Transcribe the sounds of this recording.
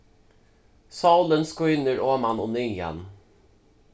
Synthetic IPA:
sawlənskʏːnəɾoːmanɔnʏja̰n

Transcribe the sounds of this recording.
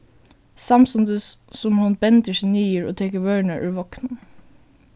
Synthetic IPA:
sɑmsʊnd̪əssɔmhʊnbɛnd̪əʃɪniːəɹo̰ːt̪ʰeːkəʋœːɳəʔʉːʋɔknən

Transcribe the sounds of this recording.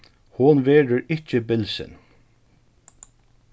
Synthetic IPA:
hʊnʋɛːɹəɹɪt͡ʃəbɪlsɪ̰n

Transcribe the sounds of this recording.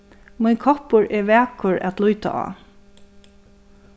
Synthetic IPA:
mʊnkʰɔpʊɹɛʋɛːkʊɹæ̰t̪lujt̪a̰ʔa̰ː

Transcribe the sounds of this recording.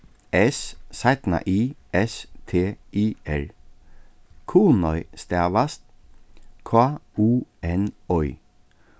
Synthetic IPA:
ɛssajt̪na̰ʔiːɛst̪ʰeːiːɛl | kʰuːnɔʏst̪ɛɐʋast̪̚ | kʰauːɛnɔʏ

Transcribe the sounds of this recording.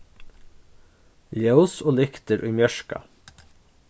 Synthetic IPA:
jæʉsoːlɪkt̪əɾʔʉːmjœʃkɑ̰

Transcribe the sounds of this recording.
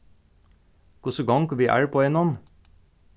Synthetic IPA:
kʰʊsəɡɑŋkʰɑːʋiːʔæ̰ːɹpʰoːɛnɔm

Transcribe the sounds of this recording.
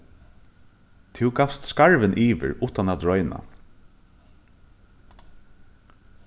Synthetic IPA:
t̪ʰɪwɡafst̪skaɹʋɪnʔiːʋɪ̰ɹʊːht̪anat̪ɹɔʏna̰

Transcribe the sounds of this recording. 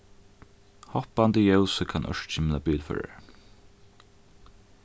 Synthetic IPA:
hɔhpand̪əjœʊsəkʰanʔœ̰ʃt͡ʃɪmlabiːlfœ̰ːɹa̰

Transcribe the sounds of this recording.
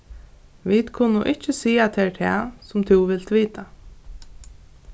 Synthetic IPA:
ʋid̪kʰʊnːʊʔɪht͡ʃːɪsiːat̪ʰɛɹt̪ʰɛ̰ːsʊmt̪ʰʊʋɪlt̪ʋiːt̪a

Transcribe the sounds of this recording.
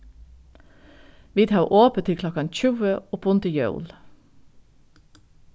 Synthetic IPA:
ʋiːt̪hɑʉʔoːpət̪ʰɪkʰlɔkɑnçʉːəɔpʊnt̪ɪjœ̰ʊl

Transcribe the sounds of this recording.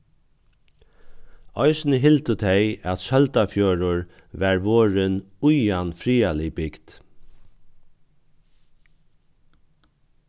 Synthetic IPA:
ɔɪsnəɦɪlt̪ət̪ʰɛjæt̪sœlt̪afjɔːɾʊɹ | ʋæɹʋɔːɹɪn | ʊjanfɾiːalɪbɪɡt̪

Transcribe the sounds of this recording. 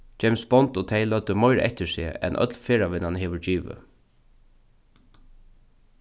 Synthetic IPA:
t͡ʃɛɪmsbɔnt̪oːt̪ʰɛɪlœt̪əmɔɪɾʔɛ̰ht̪ɪsɪɛ̰nʔœ̰t̪lfeːɹaʋɪnanɦeːʋəɹd͡ʒiːʋə̰

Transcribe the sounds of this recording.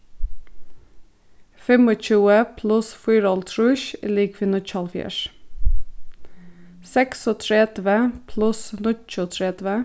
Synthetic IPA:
fɛmɔc͡çʉːəpʰlʉsfʏːɾɔlt̪ʰɹʉːç̰liːkfɪnʊc͡çɑlfjæ̰ʃ | sɛksɔt̪ʰɾɛd̪ʋəpʰlʉsnʊt͡ʃʊt̪ʰɹɛd̪ʋə

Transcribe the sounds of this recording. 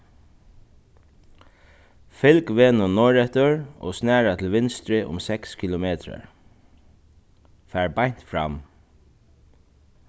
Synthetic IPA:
fɪlkʋeːnʊnɔɹɛt̪ʊɹɔ̰snæːɹat̪ʰɪlʋɪnst̪ɾɪʔʊ̰msɛkskʰɪlʊmeːt̪ɹa̰ɹ | fæːɹbajn̥t̪fɹa̰m

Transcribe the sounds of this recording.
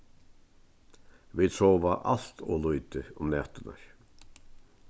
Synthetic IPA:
ʋiːsoːʋaʔɑ̰l̥t̪ʰo̰ːlʉʏd̪əʊmnɛt̪ənə̰ɹ

